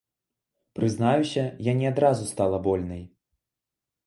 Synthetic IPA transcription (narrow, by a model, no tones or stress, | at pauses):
pɾɨznajusʲɐjanʲɛad̪ɾazust̪alˠɐbɔlʲnɐj